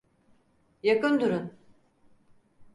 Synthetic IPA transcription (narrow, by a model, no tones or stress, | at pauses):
jakɯnd̪uɾun